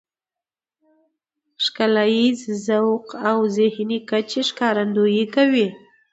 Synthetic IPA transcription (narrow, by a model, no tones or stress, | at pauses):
ʃkalajizzawqawzɪhnikat͡ʃeʃkɑɾand̪ojikawi